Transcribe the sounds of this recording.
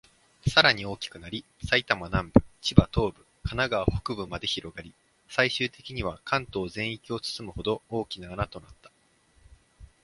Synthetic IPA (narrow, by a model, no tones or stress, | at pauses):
saɾaɲ̟io̞ːkʲi̥kɯ̟naɾʲi | sait̪amanãmbɯ̟̥t͡ɕibat̪o̞ːbɯ̟ | kanaɡaβaho̥kɯ̟bɯ̟mad̪e̞çiɾo̞ɡaɾʲi | saiɕɨːt̪e̞kʲiɲ̟iβ̞akʰãnt̪o̞ːzẽ̞ɰ̃ikʲio̞t͡sɨ̥sɨmɯ̟ho̞d̪o̞oːkʲinaːnat̪o̞nat̪ːḁ